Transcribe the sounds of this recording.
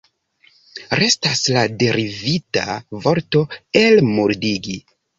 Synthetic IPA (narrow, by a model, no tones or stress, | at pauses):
ɾe̞staslade̞ɾivita̰vo̞ɾto̞e̞lmuɾdiɡi